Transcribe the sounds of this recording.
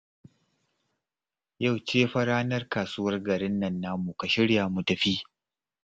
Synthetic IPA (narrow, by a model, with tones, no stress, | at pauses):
ja˦˨wt͡ʃeː˦ɸɐ˦ɾaː˦nɐ˦rkaː˨su˦wɐ˦rɡɐ˨ɾɪ˦nːɐ˦nːaː˦mu˨ka˨ʃɪ˦ɽjaː˨mu˨tɐ˨ɸiː˦